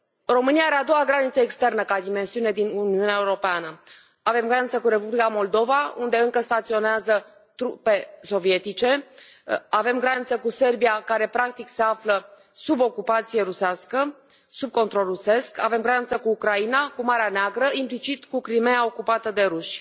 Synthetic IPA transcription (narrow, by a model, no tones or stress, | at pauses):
ro̞mɨniaaɾe̞ad̪o̞waɡɾanit̪səekst̪e̞rnəkad̪ime̞nsiune̞d̪inuniuneaeuɾo̞peanə | ave̞mɡɾanit̪səkuɾe̞publikamo̞ld̪o̞vaund̪e̞ɨŋkəst̪at̪sio̞neazə | t̪ɾupe̞so̞vie̞t̪it͡ʃe̞ | ave̞mɡɾanit̪səkuse̞rbiakaɾe̞pɾak̚t̪ikse̞aflə | subo̞kupat̪sije̞ɾusaskə | sub̚kont̪ɾo̞lruse̞skave̞mɡɾanit̪səkuːkɾainakumaɾeaneaɡɾəimplit͡ʃit̪kukɾime̞ao̞kupat̪əd̪e̞ɾuʃʲ